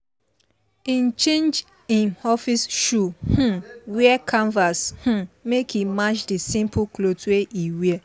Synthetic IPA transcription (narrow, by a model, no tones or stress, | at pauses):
ĩnt͡ʃẽnd͡ʒ | ɪ̃nɔfisʃuhũwiɛkʰãɱvashũmekʰimat͡ʃdisĩmpklotweʔiwiɛ